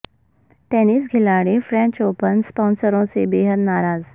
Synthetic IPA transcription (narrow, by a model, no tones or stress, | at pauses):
ʈɛːnisɡʱɪlaːɽefɾɛ̃ːɲt͡ʃoːpənspɔ̃ːnsəɾõsebeːɦəd̪naːɾaːz